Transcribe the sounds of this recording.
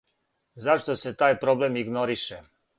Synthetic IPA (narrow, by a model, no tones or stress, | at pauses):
zaʃt̪ose̞t̪aːjpɾo̞blemiɡnoɾiʃe